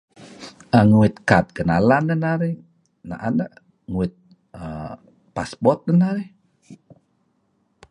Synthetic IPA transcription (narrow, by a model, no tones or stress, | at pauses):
ʔəŋuɪt̪̚kat̪̚ɡənalanːənaɾi | na̰ʔa̰nəʔ | ŋuɪt̪̚ | ə | paspɔt̪̚dənaɾih